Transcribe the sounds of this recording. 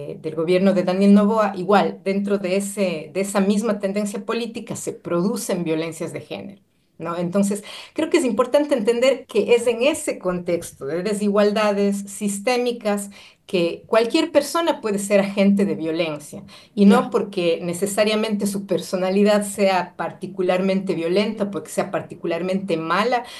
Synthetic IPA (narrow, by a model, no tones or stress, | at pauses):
d̪elɣo̞βje̞ɾno̞ðeðanje̞lno̞β̞oaʔiɣwald̪e̞nt̪̬ɾo̞ðeesedeesamizmat̪end̪e̞nsjapo̞lit̪ikase̞pɾo̞ðusembjo̞le̞nsjazðe̞xe̞̰ne̞̰ɾo | noent̪o̞ns̬e̞skɾeokes̬impo̞ɾt̪ant̪eeːnt̪e̞nd̪e̞ɾkeʔese̞ŋe̞seko̞nt̪e̞kst̪oðeðes̬iɣwald̪aðesːist̪e̞mikas | kekwalkje̞ɾpe̞ɾso̞napwe̞ðes̬e̞ɾaxe̞nt̪̬e̞ðeβjo̞le̞nsja̰ | ino̞po̞ɾkene̞sesaɾjamẽ̞nt̪̬esupeɾso̞naliðaðseapaɾt̪ikulaɾmẽnt̪e̞βjo̞le̞nt̪aopo̞ɾke̥se̞apaɾt̪ikulaɾmẽnt̪e̞mala